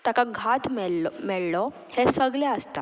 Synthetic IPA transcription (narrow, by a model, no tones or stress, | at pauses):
t̪akaɡʱat̪ʰmɛmɛɭlɔ | hesəɡljɛəst̪a